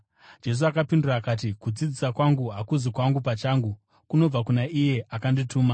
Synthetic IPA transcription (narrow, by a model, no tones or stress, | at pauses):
d͡ʒe̞s̬uakapinduraːkaːt̬ikud͡zid͡zisakwaŋɡuɦakuzikwaŋɡupat͡ʃaːŋɡu | kuno̞b͡vakunaʔije̞akandituːma